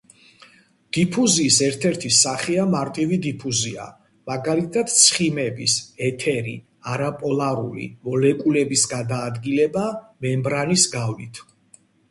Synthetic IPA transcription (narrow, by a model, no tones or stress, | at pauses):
d̪̥ipʰuziːsɛɾt̪ʰɛɾt̪ʰisaχiamaɾt̪ʼivid̪ipʰuzia̰ | maɡalit̪ʰad̪̥̚t̪sʰχimɛbisɛt̪ʰɛɾḭ | aɾapʼɔlˠaɾulḭmɔlɛkʼulɛbisɡad̪aːd̪ɡilɛbamɛmbɾanisɡavlit̪ʰ